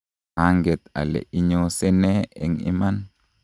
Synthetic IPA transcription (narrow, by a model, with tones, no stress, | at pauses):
a˦ŋɡɛ˨t̪a̰˨lɛ̰˨ʔi˦ɲosɛ˦nɛɛ̰˨ŋɪ̰˦ma˦n